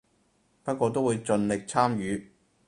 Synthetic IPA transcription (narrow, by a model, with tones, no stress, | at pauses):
pɐ˥t̚kʷɔː˧t̪̬o˥wuː˨˧jt͡ʃɵ˧nlɪ˨k̚t͡sʰaː˥mjyː˨˧